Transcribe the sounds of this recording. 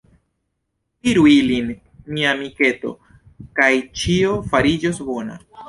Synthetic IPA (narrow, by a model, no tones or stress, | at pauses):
iɾuilin | miamike̞to̞̰ | kajt͡ʃio̞faɾid͡ʒo̞sbo̞na̰